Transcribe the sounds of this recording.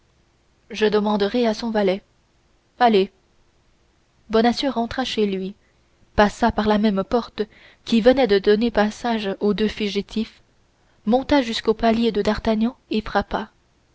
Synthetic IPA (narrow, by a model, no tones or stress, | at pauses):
ʒəd̪əmɑ̃d̪əʁɛasɔ̃valɛ | ale | bɔnasjøʁɑ̃t̪χaʃelɥi | pasapaʁlamɛmpɔʁt̪ə | kʲivənɛd̪əd̪ɔnepasaʒod̪øfyʒit̪ʰif | mɔ̃t̪aʒyskopaljed̪əd̪aʁt̪aɲɑ̃efχapa